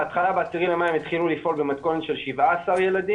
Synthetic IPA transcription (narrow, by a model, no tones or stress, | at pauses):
at̪χalabeasiʁimlemaimit̪χilulifʔo̞lbemat̪ko̞netʃe̞lʃivaasaʁjelad̪i